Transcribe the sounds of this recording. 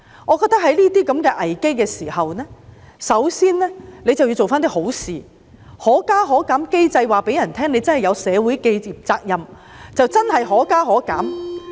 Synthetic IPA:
ʔɔː˨˧kɔː˧k̚t̪ːkhɐ˨˥jliː˥t̪iː˥kɐ˨˥mkɛː˧ʔɐ˨˩jke˥jkɛː˧siː˨˩hɐ˨wnɛː˥ | sɐ˨˥wsiː˥nlɛː˥ne˧jt͡sɐ˨wji˧t͡so˨wfaː˥nt̪iː˥ho˨˥wsiː˨˩ | hɔː˨˥kaː˥ɦɔː˨˥kaː˨˥mke˥jt͡sɐ˧jwaː˨˩pe˨˥jɐ˨˩nt̪ʰɛː˥ŋne˨˧jt͡sɐ˥nhɐ˨˩jɐ˨˧wsɛː˨˧wu˨˥jke˧jiː˨p̚t͡saː˧k̚jɐ˨m | t͡sɐ˨wt͡sɐ˥nhɐ˨˩jɦɔː˨˥kaː˥ɦɔː˨˥kaː˨˥m

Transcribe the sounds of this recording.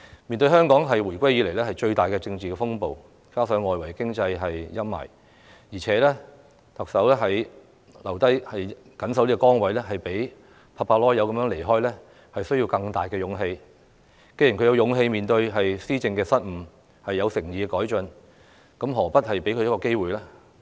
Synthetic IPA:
miː˨nt̪ɵ˧ɥɦœː˥ŋkɔː˨˥ŋɦɐ˨jwuː˨˩jkʷa˥jiː˧le˨˩jlɛː˥hɐ˨jt͡ʃɵ˧ɥt̪aː˨˩jkɛː˧t͡sɪ˧ŋt͡siː˨˩ɛː˧fʊ˥ŋpo˨w | kaː˥sœː˨˥ŋːɔː˨jwɐ˨˩jkɪ˥ŋt͡sɐ˧jɦɐ˨jjɐ˥mmɐ̰˨˩j | jiː˨˩t͡sʰɛː˨˥lɛː˥ | t̪ɐ˨k̚sɐ˨˥wlɛː˥ɦɐ˨j | lɐ˨˩wt̪ɐ˥jhɐ˨j | kɐ˨˥nsɐ˨˥wliː˥kɔː˧kɔː˥ŋwɐ˨˥jlɛː˥ɦɐ˨jpe˨˥j | pʰaː˧˥pʰaː˧lɔː˥jɐ˨˧wkɐ˧mjœː˨˥le˨˩jɦɔː˥jlɛː˥ | hɐ˨jsɵ˥ɥjiː˧wkɐ˧ŋt̪aː˨jkɛː˧jʊ˨˧˥ŋɦe˧j | ke˧ji˨nkʰɵ˨˧jɐ˧wjʊ˨˧ŋɦe˧jmiː˨nt̪ɵ˧ɥɦɐ˨jsiː˥t͡sɪ˧ŋkɛː˧sɐ˥t̚m̩˨˩ | hɐ˨jːɐ˨˧wsɪ˨˩ŋjiː˨˧ɛ˧kɔː˨˥jt͡ʃɵ˧n | kɐ˨˥mɦɔː˨˩pɐ˥t̚hɐ˨jpe˨˥jkʰɵ˧jɐ˥kɔː˧ke˥jwuː˨jlaː˥

